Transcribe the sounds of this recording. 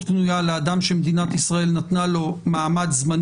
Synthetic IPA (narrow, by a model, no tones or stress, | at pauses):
bnujalead̪amʃemed̪inat̪isʁae̞lnat̪nalo̞maːmadzman